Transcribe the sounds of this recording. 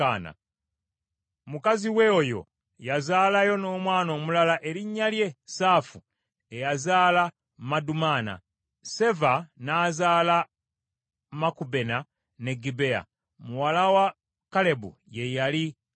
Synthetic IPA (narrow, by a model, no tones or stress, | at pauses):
ana̰ | mukaziweojo̞̰ | jazaːlajo̞no̞ːmwaːno̞ːmulalaʔe̞ɾiɲːalje̞saːfu | e̞jazaːla | madumaːna̰ | se̞vanaːzaːla | makube̞na | ne̞ɡibe̞a̰ | muwalawa | kale̞bṵje̞jali